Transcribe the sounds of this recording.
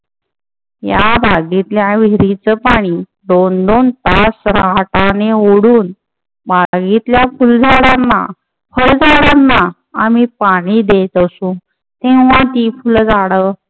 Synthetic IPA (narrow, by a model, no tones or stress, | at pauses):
jabʱaɡit̪ljaʋiɾit͡səpaɽ̃i | ɖ̪ond̪ont̪asɾaaʈaneoɽuːn | bʱaɡit̪ljafuld͡zʱaɽanːa̰ | fəld͡zaɽanːaː | mipaɽ̃iːd̪et̪əsũː | t̪ẽʋ̤ãt̪ifuld͡zaɽə